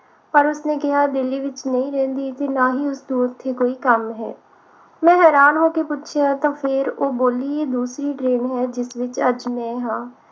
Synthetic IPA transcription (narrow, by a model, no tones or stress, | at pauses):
pəɾʊsnẽːkɪɦaːd̪ɪliːʋɪt͡ʃnə̃ĩːɾɛ̃ːnd̪iːt̪eːnaːɦiːʊsd̪ũːʊt̪ʰːeːkoːiːkəmɦɛ̰ː | mɛ̃ːɦɛːɾaːnɦoːkeːpʊtːʃʰeːãːt̪ãːpʰɪɾoːboːliːeːd̪uːsɾiːʈɾeːnɦɛːd͡ʒɪsʋɪt͡ʃəd͡ʒmɛ̃ːɦãː